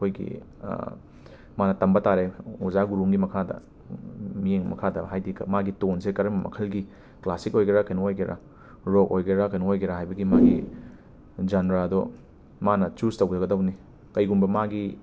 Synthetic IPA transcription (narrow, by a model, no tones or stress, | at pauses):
kʰojɡḭ | manɐtɐmbɐtaɾeuzaɡuɾumɡimɐkʰadɐ̰ | mijeŋmɐ̰kʰadɐɦajdiɡɐ̰maɡitonsekɐɾɐmɐmɐ̰kʰɐlɡi | klasik̚ojɡeɾakɐjnoojɡeɾʔa̰ | ɾokojɡeɾakɐjnoojɡeɾaɦajbɐɡimaɡḭ | d͡ʒanɾaɐdo | manɐt͡ʃustɐwɡɐɾɐɡɐdɐwni | kɐjɡumbɐmaɡi